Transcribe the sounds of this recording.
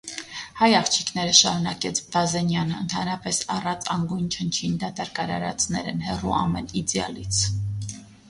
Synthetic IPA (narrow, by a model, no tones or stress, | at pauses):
hɑjɑχt͡ʃʰikʰn̪ɛɾəʃɑ̰ɾunɑkɛt͡sʰbɑzɛnjɑnəənt̪ʰɑnɾɑpɛsɑrɑt͡sʰɑŋɡujnt͡ʃʰənt͡ʃʰind̪ɑt̪ɑɾkɑɾɑ̰ɾɑ̰t͡snɛ̰ɾɛnhɛruʔɑ̰mɛnid͡z̪jɑ̰lit͡sʰ